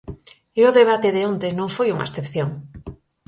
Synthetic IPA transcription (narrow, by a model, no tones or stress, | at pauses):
eoðeβ̞at̪eðeõnt̪enõŋfojuŋa̰esθepθjoŋ